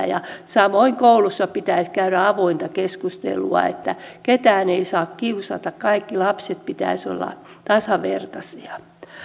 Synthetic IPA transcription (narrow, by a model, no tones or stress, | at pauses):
jɑsɑmoiŋkoulusːɑpit̪æiskæyɾæɑʋoint̪ɑkeskust̪ḛlṵɑ̰ḛt̪ːæket̪æːneisɑːkkiusɑ̰t̪ɑkkɑikːilɑpset̪̚pit̪æ̰iso̰lːɑ̰ | t̪ɑsɑʋḛrt̪ɑsiɑ